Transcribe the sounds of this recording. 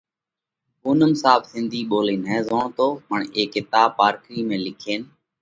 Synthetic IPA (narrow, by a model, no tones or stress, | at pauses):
kuːnəmsaːbsɪ̃nd̪ʱiːɓoːleːnɛːzoːɳt̪oːməɳeːkɪt̪aːpaːɾkɾiːmẽːlɪkʰeːn